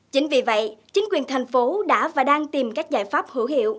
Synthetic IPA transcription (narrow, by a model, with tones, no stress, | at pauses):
t͡ɕï˨˦ŋ̟vi˨˩və̰˧˨jt͡ɕï˨˦ŋ̟kwi˨˩ənt̪ʰa˨˩jŋ̟fo˨˦ɗa̰ː˧˥vaː˨˩ɗaː˧ŋt̪i˨˩mkaː˦˥k̚zaː˧˩jfaː˦˥p̚hɨ˧˩whḭ˧˨əw